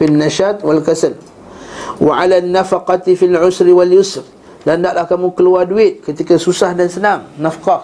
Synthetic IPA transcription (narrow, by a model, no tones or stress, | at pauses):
finːaʃat̪̚walkasəl | wʔa̰ʕalanːafaqɑt̪ifilʕʊsɾiwaljʊsr | dandaʔlahkamukəluarduɪt̪̚kət̪ikasusahdansənaŋnafqɑ